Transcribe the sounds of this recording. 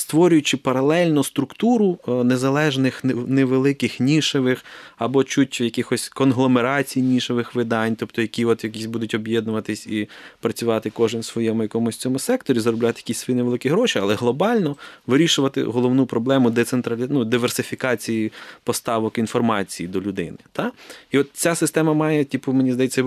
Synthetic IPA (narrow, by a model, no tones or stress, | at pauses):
st̪ʋɔɾʲʊjʊt͡ʃɪpɐɾɐlˠɛlʲnɔst̪ɾʊkt̪uɾʊnezɐlˠɛʒnɪxneʋelˠɪkɪxnʲiʃeʋɪxɐbɔt͡ʃutʲjɐkɪxɔsʲkɔnɦlˠɔmeɾɑt͡sʲijnʲiʃeʋɪxʋɪd̪ɑnʲt̪ɔpt̪ɔjɐkʲiɔt̪jɐkʲisʲbud̪ʊtʲɔbʲjɛd̪nʊʋɐt̪ɪsʲipɾɐt͡sʲʊʋɑt̪ɪkɔʒɪmsʋɔjɛmʊjɐkɔmʊsʲt͡sʲɔmʊsɛkt̪ɔɾʲizɾɔblʲat̪ɪjɐkisʲsʋɔjineʋelˠɪkʲiɦɾɔʃiɐlˠɛɦlˠɔbɑlʲnɔʋɪɾʲiʃʊʋɐt̪ɪ̰ɦɔlˠɔʋnupɾɔblˠɛmʊd̪ɛt̪sent̪ɾɐlʲinud̪ɪʋersɪfʲikɑt͡sʲijipɔst̪ɑʋɔkinfɔrmɑt͡sʲijid̪ɔlʲʊd̪ɪ̰nɪt̪ɑiɔt̪̚t͡sʲasɪst̪ɛmɐmɑjɛtʲipʊmenʲizd̪ɐjet͡sʲːɐ